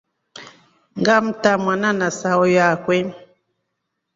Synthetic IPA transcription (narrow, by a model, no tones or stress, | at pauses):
ŋɡam̩tamwananasaɔjakwɛ